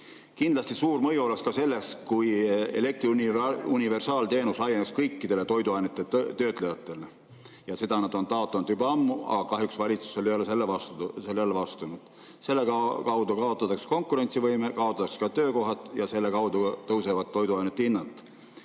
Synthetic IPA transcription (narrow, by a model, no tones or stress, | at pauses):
kind̪̥lɑsʲt̪isuːrmɤjuoleskɑse̞lːe̞skujḛle̞k̚t̪riunʲunʲive̞rsɑːlt̪e̞ːnuslɑjenekskɤjkːid̪̥e̞le̞t̪o̞jd̪uɑjnet̪ːˑet̪ø̞ːt̪ˑlejɑt̪ːˑe̞le | jɑse̞d̪ɑnɑd̪o̞nt̪ɑo̞t̪ːˑɑnud̪ybɑɑmːuɑ̰kɑɦjuksvɑlʲit̪su̥so̞lʲijolese̞lːevɑst̪uselːelːevɑst̪unud̪̥ | se̞lːekɑkɑwd̪̥ukɑo̞t̪ːˑɑt̪ːˑɑksko̞ŋkːˑuɾe̞nʲt̪sivɤjmekɑo̞t̪ːˑɑt̪ːɑkskɑt̪øːko̞ɦɑt̪ːˑjɑse̞lːekɑwd̪ut̪ɤwsevɑt̪ːo̞jd̪uɑjnet̪ːˑeinːɑt̪ːˑ